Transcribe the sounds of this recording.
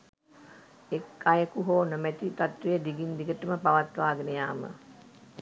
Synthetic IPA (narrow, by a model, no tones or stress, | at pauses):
ekːajəkuɦoːnəmæt̪it̪at̪ʋejəd̪iɡind̪iɡəʈəməpaʋat̪ʋaːɡənəjaːmə̰